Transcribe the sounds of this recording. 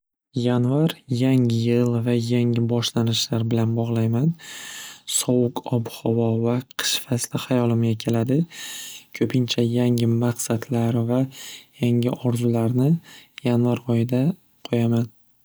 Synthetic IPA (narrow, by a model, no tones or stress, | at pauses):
janvaɾjaŋɪjɪlˠvajaŋɪbɒʃlanɪʃlaɾbɪlanbɒʁlˠajman | sɒwʊkʰɒbhɒvɒvaqʰɨ̥ʃfaslɪhajɒlˠɪmɡʲakʲʰe̞lad̪ɪ | kʰɵpʰɪnt͡ʃʰajaŋɪmaqsat̪ʰlaɾvajaŋɪʔɒɾzʊlaɾnɪjanvaɾɒjɪd̪a | qʰojaman